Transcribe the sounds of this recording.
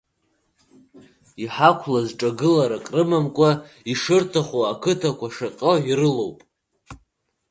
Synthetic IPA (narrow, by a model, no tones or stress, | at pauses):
iħakʷʰlazʈ͡ʂʼaɡɨlaɾakʼrɨmamkʷʼaiʂɨrtʰaχoakʰɨtʰakʷaʂaqʲʼəiɾɨlowpʼ